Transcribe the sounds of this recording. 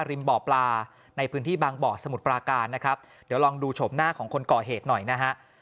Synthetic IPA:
ɾi˧nbɔː˨˩plaː˧ | na˧jpʰɯː˦˥nt̪ʰiː˥˩baː˧ŋbɔː˨˩k̚sa˧mu˨˩t̪̚pɾaː˧kaː˧nːa˦˥kʰɾa˦˥p̚ | di˩˦wlɔː˧ŋduː˧t͡ɕʰo˩˦mnaː˥˩kʰɔː˩˦ŋkʰo˧nkɔː˨˩ɦeː˨˩t̪̚nɔ˨˩jna˦˥ɦa˦˥ʔ

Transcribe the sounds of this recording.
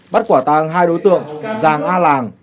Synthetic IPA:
ɓa˦˥t̚kwaː˧˩t̪aː˧˩ŋɦaː˧jɗo˨˦jt̪ɨ̰˧˨əŋzaː˨˩ŋʔaː˧laː˨˩ŋ

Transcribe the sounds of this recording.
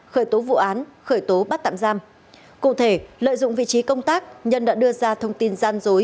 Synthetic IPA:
xəː˧˩jt̪o˨˦vṵ˧˨ʔaː˨˦nxəː˧˩jt̪o˨˦ɓa˦˥t̚t̪a̰ː˧˨mzaː˧m | kṵ˧˨t̪ʰe˧˩lə̰˧˨jzʊ̰˧˨ŋ͡mvḭ˧˨t͡ɕi˨˦kə˧wŋ͡mt̪aː˦˥k̚ɲə˧nɗa̰ː˧˥ɗɨ˧əzaː˧t̪ʰə˧wŋ͡mt̪i˧nzaː˧nzo˨˦j

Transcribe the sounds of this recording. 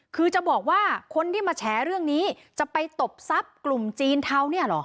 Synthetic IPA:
kʰɯː˧t͡ɕa˨˩bɔː˨˩k̚waː˥˩kʰo˧nt̪ʰiː˥˩maː˧t͡ɕʰɛː˩˥ɾɯ˥˩əŋniː˦˥ | t͡ɕa˨˩pa˧jt̪o˨˩p̚sa˦˥p̚klu˨˩mt͡ɕiː˧nt̪ʰa˧wni˥˩ɐlɔ̰˩˦ʔ

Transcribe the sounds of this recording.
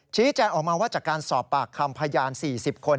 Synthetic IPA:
t͡ɕʰiː˦˥t͡ɕɛː˧ŋʔɔː˨˩k̚maː˧waː˥˩t͡ɕaː˨˩kːaː˧nsɔː˨˩pːaː˨˩kʰːa˧mpʰa˧jaː˧nsiː˨˩si˨˩p̚kʰo˧n

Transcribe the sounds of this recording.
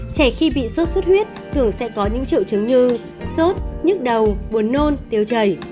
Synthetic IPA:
t͡ɕɛ˧˩xi˧ɓḭ˧˨so˦˥t̚swə˦˥t̚hwi˦˥ət̚t̪ʰɨ˨˩əŋsɛ̰˧˥kɔ˨˦ɲɨ̰˧˥ŋt͡ɕḭ˧˨əwt͡ɕɨ˨˦ŋɲɨ˧ | so˦˥t̚ɲɨ˦˥k̚ɗə˨˩wɓu˨˦ənːo˧nt̪i˨˧˩əwt͡ɕəː˨˧˩j

